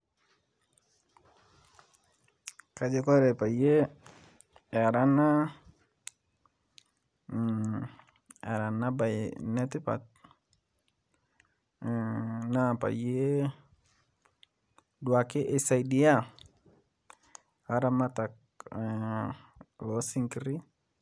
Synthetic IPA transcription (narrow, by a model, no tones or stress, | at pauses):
kad͡ʒekɔɾɛpaje | ɛɾana | ɛ̰ɾanabajnɛtipa̰t̪̚ | napa̰je | duakɪʔesajdia | aɾamatak̚ | lɔsiŋkiɾi